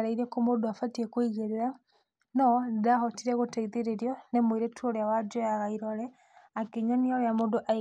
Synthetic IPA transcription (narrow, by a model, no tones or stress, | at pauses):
ɾaiɾekomodoafatiekwiɣeɾeɾa | nodaxotiɾeɣotaiðeɾeɾjɔnemwiɾetuoɾjawad͡ʒojaɣaiɾɔlɛ | akiɲɔnioɾjamodoʔa